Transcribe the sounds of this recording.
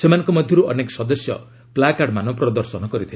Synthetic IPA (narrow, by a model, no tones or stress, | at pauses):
semanɔ̃ŋkɔmɔd̪ʱjɔɾuɔnekɔ̥sɔd̪ɔsjɔ̰ | plakaɽmanɔ̃pɾɔd̪ɔɾsɔnɔkɔɾit̪ʰil